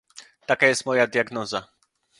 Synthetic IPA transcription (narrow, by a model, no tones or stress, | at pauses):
t̪akajɛst̪mɔjad̪ʲjaɡnɔza